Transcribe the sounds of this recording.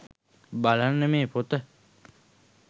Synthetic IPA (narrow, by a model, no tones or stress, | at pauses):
balanːəmeːpot̪ə